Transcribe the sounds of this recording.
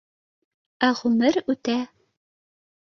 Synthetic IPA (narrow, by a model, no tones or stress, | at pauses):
æʁɵmɘɾʉt̪æ